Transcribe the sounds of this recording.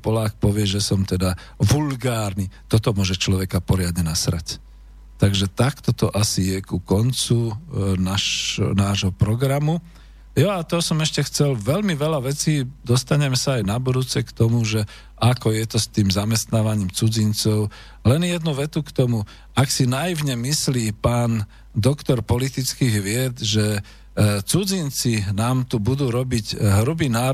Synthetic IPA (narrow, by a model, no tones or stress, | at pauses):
pɔlaːk̚pɔʋɪɛʒɛsɔmt̪ɛd̪a | ʋulɡaːɾnit̪ɔt̪ɔmʊɔʒɛt͡ʃlɔʋɛkapɔɾɪad̪ɲɛnasɾa̰c | t̪aɡʒɛt̪akt̪ɔt̪ɔʔasijɛkukɔnt͡sunaʃnaːʒɦɔpɾɔɡɾamu | jɔat̪ɔsɔmɛʃcɛxt͡sɛlʋɛlmiʋɛlaʋɛt͡siːd̪ɔst̪aɲɛmɛsaːjnabɔd̪uːt͡sɛkt̪ɔmuʒɛ | ʔakɔjɛt̪ɔst̪iːmzamɛst̪naːʋaɲiːmt͡sud͡zint͡sɔʊ | lɛnjɛd̪nuʋɛt̪ukt̪ɔmu | aksinajiʊɲɛmisliːpaːn | d̪ɔkt̪ɔɾpɔlit̪it͡skiːɣʋɪɛd̪ʒɛ | t͡sud͡zint͡sinaːmt̪ubud̪uːɾɔbiɟɦɾubiːnaː